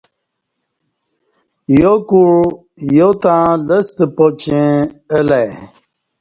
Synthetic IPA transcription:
jokuɻ | jot̪ãləst̪pot͡ɕẽəlaj

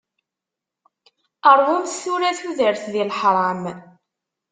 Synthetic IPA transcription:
əɾˤwʊmθθuɾæθuðəɾθðilħɾˤɑm

